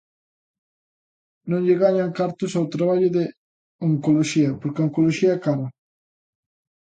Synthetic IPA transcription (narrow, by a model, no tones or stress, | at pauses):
nõŋʎɪɣaɲaŋkaɾt̪ʊsawt̪ɾaβ̞aʎʊðe | oŋkoloʃiɐpoɾkeoŋkoloʃiɐkaɾɐ